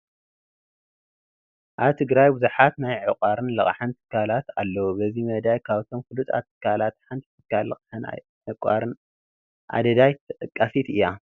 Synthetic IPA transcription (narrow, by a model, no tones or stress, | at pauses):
ʔaβt̪ʰɨɡɾajbɨzuħat̪najʕɨkʼaɾɨnlɐ̰χʼħɨnt̪ʰɨ̥kʰːalat̪alːɐwubɐzimɐd̪ajkʰaβt̪ʰo̞mkɨlut̪ʼa̰t̪ʰːɨ̥kʰːalat̪ħant̪ʰi̥t̪ʰɨkʰːalːɐχʼħɨna̰ | ʕɨkʼaɾɨn | ʔa̰d̪ɐd̪ajt̪ʰɨʔʼɨkʼːafit̪ɨjːa